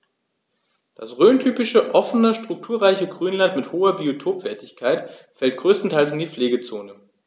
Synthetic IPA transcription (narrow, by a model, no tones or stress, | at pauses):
d̥asʁøːntʰyːpɪʃəʔɔfnəʃtʁ̥ʊk̚tʰuːɐʁaɪçəɡʁyːnlantmɪthoːɐbiotʰoːpv̥ɛɐtɪçkʰaɪtfɛlt̚ɡ̥ʁøːstn̩tʰaɪls̬ɪndiːfleːɡət͡soːnə